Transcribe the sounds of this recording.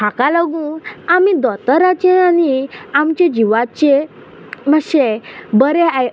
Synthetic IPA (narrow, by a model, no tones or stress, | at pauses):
akalaɡũamid̪ɔt̪əɾat͡ɕẽaniamt͡ɕed͡ʑiʋat͡ɕe | məɕebəɾeaj